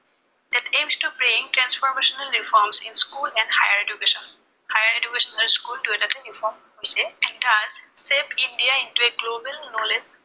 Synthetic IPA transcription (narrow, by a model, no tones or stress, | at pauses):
d̪ɛʈẽːmsʈubɾẽŋʈɾɛ̃nsfɔːɾmeːʃənəlɾifɔːɾmsɪ̃nskuːlɛ̃ɳɖhaɪəɾed͡ʒukeːʃə̃n | haɪəɾed͡ʒukeːʃə̃nəɖskuːlʈueɖɐt̪ʰəɾifɔːɾm | oseɛ̃nʈazseːpɪ̃ɳɖiaɪ̃ɳʈueɡloːbəlnoːled͡ʒ